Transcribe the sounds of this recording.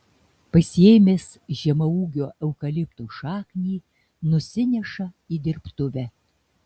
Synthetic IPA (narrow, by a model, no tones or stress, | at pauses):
pɐsʲɪɛmʲeːsʒʲɛmɐuːɡʲoːʔɛʊkɐlʲɪpt̪uːʃɑːknʲiː | nʊsʲɪnʲɛʃɐ | iːd̪ʲɪɾpt̪ʊʋʲæ